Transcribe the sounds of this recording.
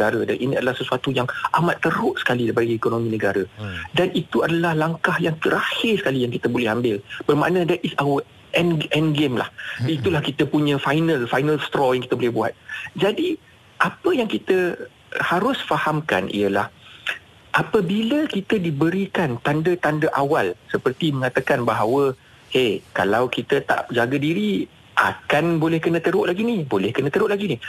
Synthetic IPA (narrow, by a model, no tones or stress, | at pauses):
aɾəda̰nʔiniadalahsəsuat̪ujaŋa̰mãt̪ːəɾʊʔsə̥kalidapaɡiekonõmĩnəɡaɾadanʔit̪uadalahlaŋkahjaŋt̪əɾahɪrsə̥kalijaŋkit̪əbolɛhambɪlb̥ərma̰ʔnə̃dɛt̪̚isawə | ʔɛnʔɛnɡemla̰hit̪ulahkit̪əpuɲə̃fajnə̃lfajnə̃lst̪ɾɔjaŋkit̪əbolɛhbua̰t̪̚d͡ʒadi | ʔapəjaŋkit̪ə | haɾʊsfahamka̰nʔḭəla̰h | ʔapəbiləkit̪ədibəɾikant̪andət̪andəʔawalsəpərt̪imə̃ŋat̪akanbaɦawə | hekalawkit̪ət̪a̰ʔd͡ʒaɡadiɾi | ʔa̰kanbolɛhkənə̃t̪əɾʊʔlaɡinibolɛhkənə̃t̪əɾʊʔlaɡini